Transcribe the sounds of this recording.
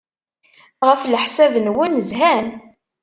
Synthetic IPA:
ʁəflħsæðnwænəzɦæn

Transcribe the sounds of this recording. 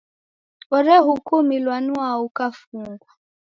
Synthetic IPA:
ɔɾɛɦukumilwanuaukafuŋɡwa

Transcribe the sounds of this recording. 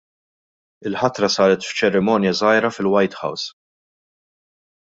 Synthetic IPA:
ɪlħɐt̪ɾɐsɐːɾɛt̪ft͡ʃɛɾɪmɔːnjɐzɐjɾɐfɪlwɐjt̪ħɐ̰ws

